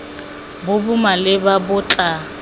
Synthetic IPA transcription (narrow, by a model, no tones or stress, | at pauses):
bʊbumalɪbabʊt͡ɬʼa